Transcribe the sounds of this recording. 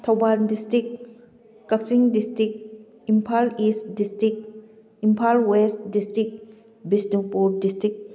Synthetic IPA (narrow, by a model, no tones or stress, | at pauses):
tʰawbandistɾik̚ː | ak̚siŋdistɾik̚ | impʰalisdistɾik̚ | impʰalwestdistɾik̚ | bisduŋpuɾdistɾik̚